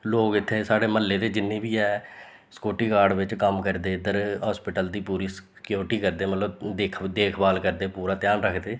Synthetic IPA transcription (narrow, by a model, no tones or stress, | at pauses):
loːɡɪt̪ʰːeːsaːɽeːməlːeːd̪eːd͡ʒɪnːẽːbiːɛː | sə̥koːʈiːkaːɾɖʋɪt͡ʃkəmkəɾd̪eːd̪əɾɦaːspɪʈəld̪iːpuːɾiːs | kjoːɾʈiːkəɾd̪eːmət̪ləbd̪eːkʰd̪eːkʰbaːlkəɾd̪eːpuːɾaːt̪ɪjaːnɾəkʰd̪eː